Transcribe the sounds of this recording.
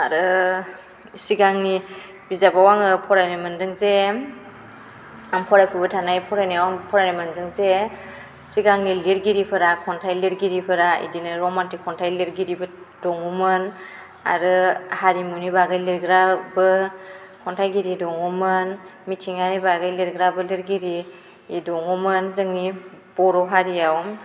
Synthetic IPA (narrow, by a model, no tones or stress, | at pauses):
aɾɯ | siɡaŋni | bizabawaŋɯpʰɔɾajnɯmɯndɯŋze | ampʰɔɾajpʰɯbɯtʰanajpʰɔɾajniwapʰɔɾajnɯmɯndɯŋze | siɡaŋniliɾɡiɾipʰɯɾakʰɔntʰajliɾɡiɾipʰɯɾaḭdinɯɾɔmantikʰːɔntʰajliɾɡiɾibɯ | d̥ɔŋumɯn | a̰ɾɯhaɾimunibaɡɯjliɾɡɾabɯ | kʰɔntʰajɡiɾidɔŋumɯnmitʰiŋanibaɡɯjliɾɡɾabɯliɾɡiɾiː | dɔŋɔmɯnzɯŋnib̥ɔɾɔɦaɾijaw